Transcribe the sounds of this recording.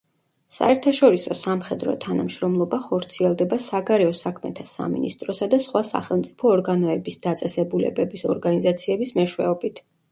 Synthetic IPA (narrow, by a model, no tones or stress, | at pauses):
sa̰ɛɾt̪ʰaʃɔɾisɔsamχɛd̪ɾɔ̰t̪ʰanamʃɾɔmlˠɔbaχɔɾt̪sʰiɛlˠd̪ɛbasaɡaɾɛɔsakʰmɛ̰t̪ʰasa̰mḭnḭst̪ʼɾɔsad̪asχwasa̰χɛlˠmt̪sʼi̥pʰɔːɾɡanɔɛbisd̪at̪sʼɛsɛbulɛ̰bɛbisɔ̰ɾɡanizat̪sʰiɛbismɛʃwɛ̰ɔbit̪ʰ